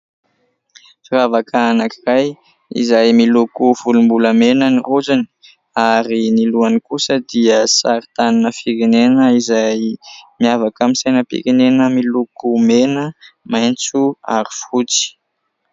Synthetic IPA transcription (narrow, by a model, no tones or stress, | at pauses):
fiɾavakʰaanakiraj | ḭzajmilukuvulumbuləmenəniruzani̥ | aɾiniluanikusəd̪iəsaɾit̪aninəfikenenəizajmiavakamisajnəpḭkenenəmilukumenəmajnt͡sua̰ɾifut͡si̥